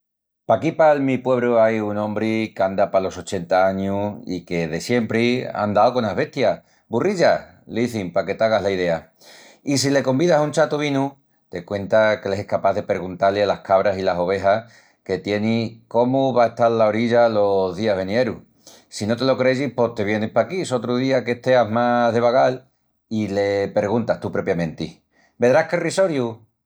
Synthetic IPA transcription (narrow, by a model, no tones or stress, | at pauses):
pakipalmipwe̞β̞ɾuajunõ̞mbɾikeand̪apalo̞so̞t͡ʃe̞nt̪aaɲuḭke̞ðe̞sje̞mpɾia̰nd̪aokonaɦβe̞ht̪ja | buriʎa | leiθimpake̞t̪aɣaɦlaið̞e̞a | is̬ile̞ko̞mbiðasunt͡ʃat̪uβinu | t̪e̞kwe̞nt̪akeleehkapaðe̞peɾɣunt̪alealahkaβ̞ɾasilaso̞β̞e̞ɦa | ke̞t̪je̞niko̞muβae̞ht̪aɾlao̞ɾiʎalo̞zðiaβenjeɾu | sino̞t̪e̞lo̞kɾeʝihpo̞ht̪e̞βje̞nehpakiso̞t̪ɾuðiake̞ht̪e̞aɦmaɦðe̞βaɣal | ile̞pe̞ɾɣ̞unt̪aht̪upɾo̞pjamẽnt̪i | be̞ðɾahkeriso̞ɾju